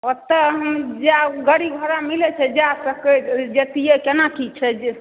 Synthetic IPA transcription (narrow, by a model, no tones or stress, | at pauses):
ɔt̪ːəɦəmd͡ʒeaɡəɾiɡʱəɾamilɛt͡ʃʰɛd͡ʒasəked͡ʒet̪ijekenakit͡ʃʰɛd͡ʒ